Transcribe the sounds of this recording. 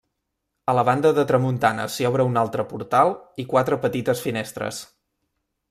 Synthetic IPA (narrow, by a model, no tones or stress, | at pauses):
ələβ̞and̪əðət̪ɾəmunt̪anə̰siɔβɾəunalˠt̪ɾəpuɾt̪alˠikwat̪ɾəpət̪it̪əsfinest̪ɾə̰s